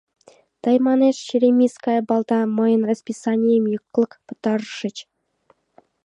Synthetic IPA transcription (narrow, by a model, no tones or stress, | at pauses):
t̪ɑjmɑneʂɕiɾʲemʲiskɑjɤbɑlˠd̪ɑmɤ̆jə̆nrɑsʲpʲisɑnʲijəmjɤkːlˠɤ̆kpɤ̆t̪ɑrʂɘ̆t͡ɕ